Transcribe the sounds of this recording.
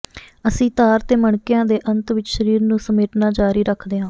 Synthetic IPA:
əsĩːt̪aːɾt̪eːməɳkɪjãːd̪eːʔənt̪ʋɪt͡ʃʃəɾiːɾnũːsəmeːʈnaːd͡ʒaːɾiːɾəkʰd̪eːɦãː

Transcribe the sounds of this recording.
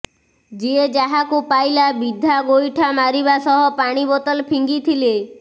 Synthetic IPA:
d͡ʒied͡ʒaɦakupajlabid̪ʱːaɡojʈʰamaɾiβasɔɦɔpaɽ̃ibɔt̪ɔlpʰiŋɡit̪ʰile

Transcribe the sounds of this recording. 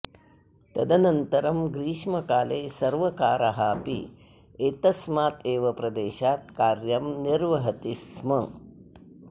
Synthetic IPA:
t̪ɐd̪ɐnɐnt̪ɐɾɐmɡɾiːʂmɐkaːleːsɐɾʋɐkaːɾɐɦaːpḭ | et̪ɐsmaːt̪eːʋɐpɾɐd̪eːʃaːt̪̚kaːɾjɐmniɾʋɐɦɐt̪ismɐ

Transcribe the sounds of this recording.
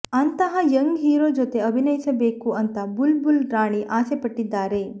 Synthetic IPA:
ɐnt̪ɐɦɐjɐŋɡɦiːɾoːd͡ʒot̪e̞ɐbʱinɐjisɐbeːkuɐnt̪ɐbulbulɾaːɳiʔaːsepɐʈːid̪ːaːɾe̞

